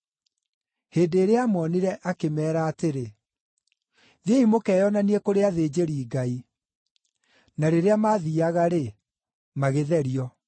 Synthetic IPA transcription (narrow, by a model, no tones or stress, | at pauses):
heːndeːɾeamɔniɾɛʔakemɛːɾaːteɾe | ðeimokɛːjɔnaniekoɾeaðeːd͡ʑeɾiːɡai | naɾeɾeamaːðiaɣaɾe | maɣeðɛɾiɔ